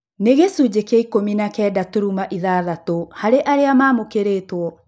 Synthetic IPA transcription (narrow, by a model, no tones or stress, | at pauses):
neɣesud͡ʑekaikominakɛːdatoɾumaʔiðaːðatohaɾeʔaɾeamaːmokeɾeːtwɔ